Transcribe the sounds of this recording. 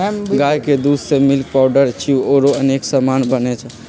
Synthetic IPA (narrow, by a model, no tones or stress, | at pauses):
ɡajked̪ussemilk̚paʊɖəɾt͡ʃʰiuoɾoəneksəmanbənet͡ʃʰɛ